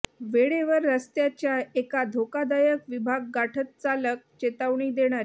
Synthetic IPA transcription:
ʋeɭeʋəɾːəst̪jat͡ɕjaekad̪ʱokad̪ajəkʋibʱaɡ̚ːaʈʰət̪̚t͡salək̚t͡ɕet̪aʋɳiːd̪eɽ̃aɾ

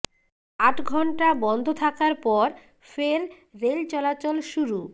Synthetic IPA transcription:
aʈɡʱɔɳʈabɔnd̪ʱot̪ʰakaɾpɔɾ | feɾ | ɾelt͡ɕɔlat͡ɕolʃuɾu

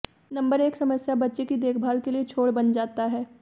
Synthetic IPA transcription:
nɐ̃mbəɾeːksɐməsjabɐtːʃekid̪eːkʰbʱaːlkeliet͡ʃʰoːɽbɐnd͡ʒaːt̪aɦɛː

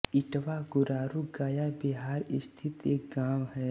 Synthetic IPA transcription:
ɪʈʋaɡʊɾaːɾuɡaːjabɪɦaːɾɪst̪ʰɪt̪eːk̚ɡaːwɦɛː

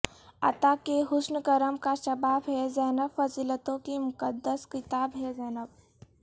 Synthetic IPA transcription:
ɐ̰t̪akeɦʊsnəkɐɾəmkaʃɐbaːbɦɛzɛːnəbfɐziːlət̪õkimʊkəd̪ːəskɪt̪aːbɦɛzɛːnəb̚

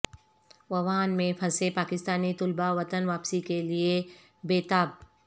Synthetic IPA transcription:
ʋɐʋaːnmẽpʰɐsepaːkɪst̪aːnit̪ʊlbaʋɐt̪ənʋaːpsikelie | beːt̪aːb̚

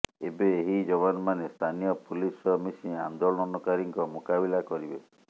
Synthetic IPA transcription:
ebeːɦid͡ʒɔβanɔmanest̪ʰanijɔpulisɔmisĩand̪olɔnɔnukaɾiŋkɔmukabilakɔɾibe

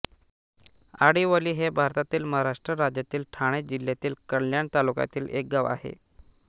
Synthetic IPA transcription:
aɽiʋəliːɦebʱaɾt̪at̪iːlməɦaɾaʂʈɾəɾad͡ʑjat̪iːlʈʰaɽ̃ed͡ʑiljat̪iːlkəɳljant̪aluka̰t̪iːlek̚ɡaʋa̰ɦḛ

